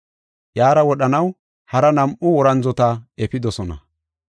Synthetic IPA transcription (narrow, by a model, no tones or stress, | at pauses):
jaːɾɐwɔɗɐnɐw | hɐɾɐnɐmʔʊwɔɾɐnzɔt̪ɐɛpɪd̪ɔsɔnɐ̰